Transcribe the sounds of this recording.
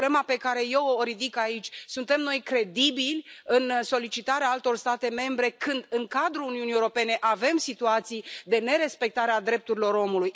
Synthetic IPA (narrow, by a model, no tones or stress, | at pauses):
lemape̞kaɾe̞je̞woːɾid̪ikait͡ʃʲsunt̪e̞mno̞jkɾe̞d̪ibilʲɨnso̞lit͡ʃit̪aɾeaalt̪o̞rst̪at̪e̞me̞mbɾe̞kɨnd̪ɨŋkad̪ɾuluniunijewuɾo̞pe̞ne̞ʔave̞msit̪uat̪sijd̪e̞ne̞ɾe̞spe̞k̚t̪aɾead̪ɾe̞p̚t̪uɾilo̞ɾo̞muluj